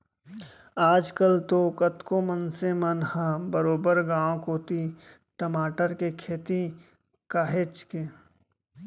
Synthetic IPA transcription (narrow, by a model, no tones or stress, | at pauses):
aːd͡ʒkəlt̪okɐt̪komənsemɐnhãbəɾoːbəɾɡãːõkoːt̪i | ʈəmaːʈəɾkekʰeːt̪i | kaːɦet͡ʃkeː